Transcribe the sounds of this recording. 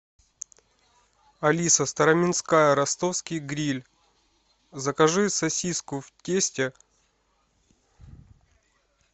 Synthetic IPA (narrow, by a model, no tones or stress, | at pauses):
ɐlʲisəst̪ɐɾɐmʲɪnskajəɾɐst̪ofskʲijɡɾʲilʲ | zəkɐʐɨsɐsʲiskʊftʲesʲtʲɪ